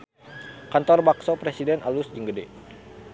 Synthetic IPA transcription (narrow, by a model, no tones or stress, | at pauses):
kant̪ɔrbaksɔpɾesidɛnalusd͡ʒəŋɡədɛ